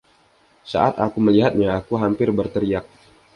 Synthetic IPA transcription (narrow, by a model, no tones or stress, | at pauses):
sa̰ʔat̪akuməliɦat̪̚ɲaːkuɦampɪrbərt̪əɾiak̚